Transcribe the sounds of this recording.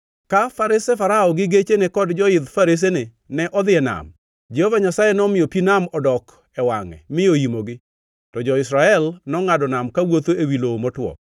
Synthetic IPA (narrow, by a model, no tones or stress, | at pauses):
kafaɾɪsɛfaɾaɔɡɪɡet͡ʃenekɔdd͡ʒɔɪd̪faɾɪs̬enɪ | nɛʔɔd̪ɪɛna̰m | d͡ʒɛhɔvaɲasajɛnɔmɪjɔpinamɔdɔk | ɛwaŋɛ̰mɪoimoɡɪ | tɔd͡ʒɔɪsɾaɛlnɔŋadɔnamkawot̪oewiloomɔtwɔ̰